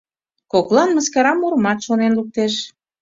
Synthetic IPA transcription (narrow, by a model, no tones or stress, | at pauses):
koklˠɑnməskɑɾɑmuɾmɑt̪ʃonenluk̚t̪eʃ